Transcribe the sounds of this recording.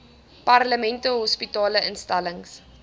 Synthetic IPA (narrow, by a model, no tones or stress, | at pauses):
pɐrləmɛntəɦɔspitɑːləʔənstɐləŋs